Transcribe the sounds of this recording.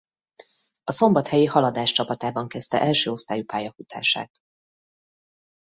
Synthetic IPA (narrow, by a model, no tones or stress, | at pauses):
ɒso̞mbɒt̪hɛjihɒlɒd̪aːʃt͡ʃɒpɒt̪aːbɒŋkɛst̪ɛ̰ʔɛlʃøːo̞st̪aːjupaːjɒfut̪ʰa̰ːʃa̰ːt̪